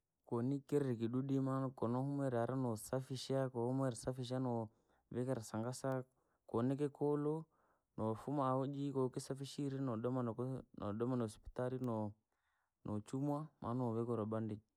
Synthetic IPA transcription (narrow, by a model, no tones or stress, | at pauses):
kɔnikɛɾɛɾikiɗuɗimankɔnɔhumɛɾaɾanɔsafiʃakɔɔmɛɾisafiʃ̬anɔ | βɛkɛɾasaŋɡasa | kɔnɛkɛkɔlɔ | nɔfumaɔd͡ʒikɔkisafiʃiɾɛnɔɗɔmannɔɗɔmanɔɔspi̥taɾinɔ | nʔɔt͡ʃumwamʔa̰nɔβɛkɔɾɔbandi